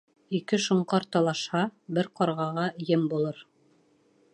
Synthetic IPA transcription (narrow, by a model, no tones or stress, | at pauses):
ikɘʃŏɴqɑɾt̪ɑlˠɑʃhɑbɘɾqɑɾʁɑʁɑjɘmbulˠɤɾ